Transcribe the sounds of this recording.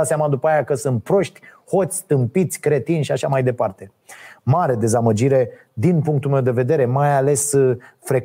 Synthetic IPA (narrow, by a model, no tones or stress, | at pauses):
t̪seamad̪upəajakəsɨnt̪̚pɾo̞ʃt̪ʲho̞t̪sʲt̪ɨmpit̪sʲkɾe̞t̪inʲʃiaʃamajd̪e̞part̪e̞ | maɾe̞d̪e̞zaməd͡ʒiɾe̞ | d̪inpuŋk̚t̪ulme̞wd̪e̞ve̞d̪e̞ɾe̞majale̞sfɾe̞k